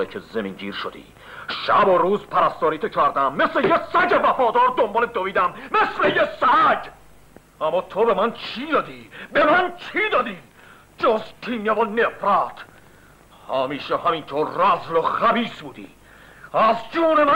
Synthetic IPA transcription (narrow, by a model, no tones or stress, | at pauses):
ikʰezemiŋɟiːɾʃod̪ḭː | ʃæboɾuːzpʰæɾæst̪ɒːɾiːt̪ʰekʰæɾd̪æmːe̞slejesæɟevæfɒːd̪ɒːɾd̪ombɒːled̪oviːd̪æmːeslejesæd͡ʒ | æmːɒːt̪ʰobe̞mænt͡ʃʰiːd̪ɒːd̪iːbemænt͡ʃʰid̪ɒːd̪iː | d͡ʒozt̪ʰiːnevonefɾæt̪ʰ | hæmiːʃehæmint̪ʰoːɾːæzloχæbiːsbuːd̪ḭː | æzd͡ʒuːnemæ